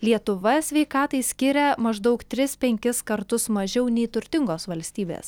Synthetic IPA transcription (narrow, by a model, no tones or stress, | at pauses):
lʲiɛt̪ʊʋɐsʲʋʲɛɪkɑːt̪ɐɪsʲkʲɪɾʲɛmɐʒd̪ɐʊkt̪ʲɾʲɪspʲɛŋʲkʲɪskɐɾt̪ʊsmɐʒʲɛʊnʲɛɪt̪ʊɾʲt̪ʲɪŋɡoːsʋɐlʲsʲt̪ʲiːbʲḛs